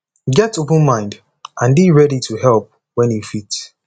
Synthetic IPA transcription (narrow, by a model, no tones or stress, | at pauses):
ɡɛtop̬ə̃n̩mãɪ̃nd | ʔãnbiɹɛɾitʰuhɛlˠp̚ | wɛ̃njufits